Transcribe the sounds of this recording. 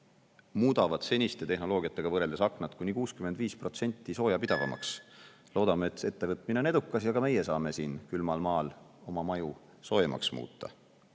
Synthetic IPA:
muːd̪̥ɑvɑd̪se̞nʲist̪e̞t̪e̞hno̞lo̞ːɡ̥ʲiɑt̪ːˑe̞ɡ̥ɑvɤɾe̞ld̪esɑknɑt̪ˑkunʲikuːskymed̪viːspro̞t̪se̞nʲt̪ˑːiso̞ːjɑpid̪̥ɑvɑ̰mɑ̰ks | lo̞ːd̪ɑmeet̪ːˑe̞t̪ːe̞vɤt̪ˑmineoned̪ukːˑɑsjɑkɑme̞je̞sɑːme̞siːnkylmɑlmɑːlo̞mɑmɑju | so̞ːjemɑ̰ksmṵːt̪ˑːɑ̰

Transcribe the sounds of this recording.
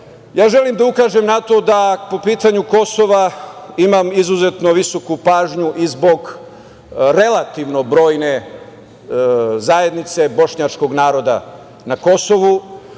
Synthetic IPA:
jaːʒe̞limd̪aukaːʒe̞mnat̪o̞d̪apo̞piːt̪aɲuko̞so̞ʋaimamizuze̞t̪noʋiso̞kupaːʒɲuʔizbo̞ɡ | ɾe̞lat̪iʋno̞bɾo̞ːjne̞ | zaje̞d̪nit̪se̞bo̞ʃɲat͡ʃko̞ɡnaːɾo̞d̪a̰ | nako̞so̞ʋu

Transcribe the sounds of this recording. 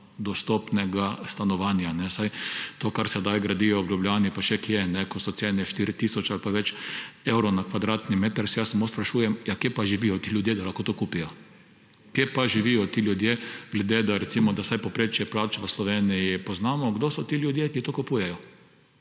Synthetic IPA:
d̪ɔst̪ɔpnɛɡast̪anɔʋanjanɛsajt̪oːkaɾsɛd̪ajɡɾad̪ijɔɡlʲjubljaːnipaʃɛkjɛnɛkɔsɔt̪seːnɛʃt̪iɾit̪iːsɔt͡ʃalpaʋɛt͡ʃewɾɔnakʋad̪ɾaːt̪nimeːt̪əɾsɛjasamoːspɾaʃuːjɛmjakjepaʒiʋijɔt̪ilʲjʊd̪jed̪alaxkoːt̪okupijɔ | kjepaʒiʋijɔt̪iːljud̪jeɡ̥lɛd̪ed̪aɾɛt̪simɔd̪asajpɔpɾet͡ʃjɛplaːt͡ʃʋəslɔʋeːnijipɔznaːmɔɡd̪osɔt̪iljud̪jekit̪okupuːjɛjɔ

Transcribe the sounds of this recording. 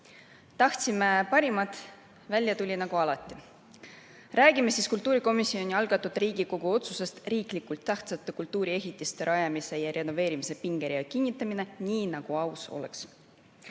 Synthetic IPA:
t̪ɑht̪simepɑɾimɑt̪ | vælʲjɑt̪ulʲinɑɡ̥uɑlɑt̪ːˑi | ræːɡ̥ime̞siːskult̪ːˑuːɾiko̞misːio̞nʲiɑlɡ̥ɑt̪ːˑud̪̥riːɡ̥iko̞ɡ̥uo̞t̪suse̞st̪riːklikult̪ːæht̪sɑt̪ːˑekult̪uːɾie̞ɦit̪ːˑist̪e̞ɾɑjɑmise̞jɑɾe̞no̞ve̞ːɾimise̞piŋɡ̥e̞ɾiɑkinʲːit̪ːˑɑmine̞niːnɑɡ̥uɑwso̞̰le̞̰ks

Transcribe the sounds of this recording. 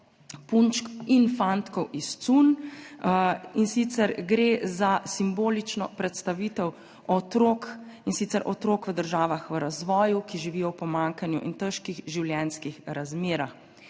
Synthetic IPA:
punt͡ʃkinfant̪kɔwʔist̪sun | insit̪sɛɾɡɾezasimboːlit͡ʃnɔpɾɛt̪st̪aʋiːt̪ɛw | ɔt̪ɾoːkinsit̪sɛɾʔɔt̪ɾoːkʋəd̪əɾʒaːʋaxʋəɾazʋɔːjukiʒiʋiːjɔwpɔmaŋkanjṵʔḭnt̪əʃkiɣʒiwljɛnskixɾazmeːɾax

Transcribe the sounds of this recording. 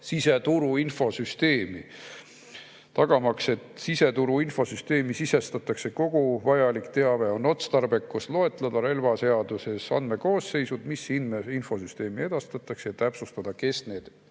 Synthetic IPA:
sise̞t̪uɾuinfo̞syst̪e̞ːmi | t̪ɑɡ̥ɑmɑkse̞t̪sise̞t̪uɾuinfo̞syst̪e̞ːmisise̞st̪ɑt̪ːˑɑkse̞ko̞ɡ̥uvɑjɑlikt̪e̞ɑve̞o̞no̞t̪st̪ɑrbe̞kːuslo̞e̞t̪ˑlɑd̪̥ɑɾe̞lvɑse̞ɑd̪̥use̞sɑ̰nd̪̥me̞ko̞ːsːe̞jsud̪̥misinmeinfo̞syst̪e̞ːmie̞d̪̥ɑst̪ɑt̪ːˑɑksejɑt̪æpsust̪ɑd̪̥ɑke̞sne̞ːd̪̥

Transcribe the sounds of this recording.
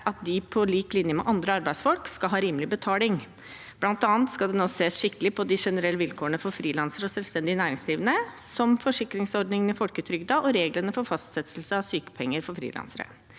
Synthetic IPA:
ʔɑt̪̚d̪ɪpʰɔliːklɪnjəmɛ̰ʔɑnd̪ɾəɑɾbæɪsfɔlkskɑɦɑːɾiːməlɪbət̪ʰɑːlɪŋ | bblɑnt̪ɑːnt̪skɑld̪ɛnoːseːsʂɪkːəlɪpʰɔd̪ɪʂɛnəɾɛlːəʋɪlkʰoːəɳəfɔɾfɾiːlɑnsəɾəɔsɛlst̪ɛnd̪ɪənæːɾɪŋsliːʋənəsɔmfɔʂɪkɾɪŋsɔɖ̪nɪŋənɪfɔlkət̪ʰɾʏɡd̪ɑːʔɔɾeːɡlənəfɔɾfɑst̪sɛt̪sl̩səɑʋsyːkə̥pʰɛŋːəɾfɔɾfɾḭːlɑ̰nsəɾə̰

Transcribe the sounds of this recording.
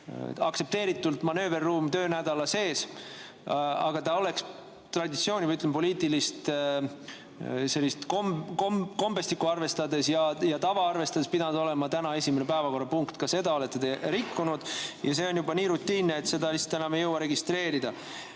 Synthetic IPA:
ɑkse̞p̚t̪e̞ːɾit̪ːˑult̪mɑnø̞ːverːuːmt̪ø̞ːnæd̪̥ɑlɑse̞ːs | ɑ̰ɡ̥ɑt̪ɑo̞le̞ks | t̪rɑd̪it̪sio̞ːnʲivɑjyt̪lempo̞liːt̪ˑilist̪ | se̞lːist̪komkomko̞mbe̞st̪ikːuɑrve̞st̪ɑd̪e̞sjɑjɑt̪ɑvɑɑrve̞st̪ɑd̪e̞spid̪̥ɑnud̪o̞le̞mɑt̪ænɑe̞sʲimene̞pæevɑko̞rːɑpuŋkt̪kɑse̞d̪ɑo̞le̞t̪ːet̪e̞ɾikːunud̪̥jɑse̞ːo̞njubɑniːɾut̪ːiːnːeːt̪se̞d̪ɑlisːɑ̥t̪ːenɑmejɤwɑɾe̞ɡist̪ɾe̞ːɾid̪̥ɑ

